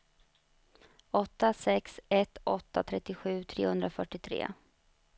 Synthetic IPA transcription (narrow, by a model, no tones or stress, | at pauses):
ɔt̪ːasɛksɛt̪ːɔ̰t̪ːa̰t̪ʰɾɛt̪ːɪɧʉ̟ːt̪ʰɾḛːhɵnd̪ɾafœʈːɪt̪ʰɾḛː